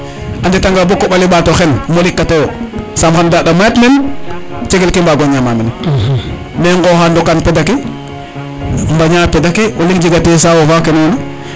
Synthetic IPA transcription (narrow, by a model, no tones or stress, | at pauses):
ʔanditaŋɡabokːoɓaliɓatoxenmolikːatewosamxandaɗamaatmen | t͡ʃeɡelkimbaɡoɲamamin | meŋɡɔxandɔkanpedaki | mbaɲapedakioliŋd͡ʒiɡates̬awofakenona